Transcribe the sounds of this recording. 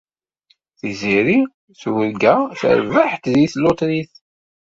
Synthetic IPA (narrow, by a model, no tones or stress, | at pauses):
θiziɾi | θwəɾɡæθə̰ɾvəħt̪ðiθlʊt̪ɾiθ